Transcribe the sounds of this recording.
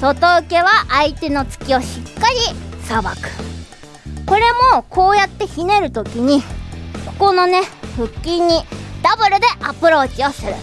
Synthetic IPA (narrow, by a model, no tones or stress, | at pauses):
so̞t̪o̞ɯ̟ke̞βaʔait̪e̞no̞t͡sɨ̥kʲio̞ɕikːaɾʲisabakɯ̟̥ | ko̞ɾe̞mo̞ko̞ːjat̪ːe̞çine̞ɾɯ̟t̪o̞kʲiɲ̟iko̞̥ko̞no̞ne̞ɸɯ̟kʲːiɲ̟ːid̪̥abɯ̟ɾɯ̟d̪e̞ʔapɯ̟ɾo̞ːt͡ɕio̞sɨɾɯ̟̰